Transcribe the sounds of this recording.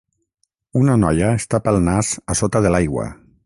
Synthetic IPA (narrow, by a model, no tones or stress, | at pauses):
unanɔjaest̪apəlˠnazasot̪aðəlajɣwa̰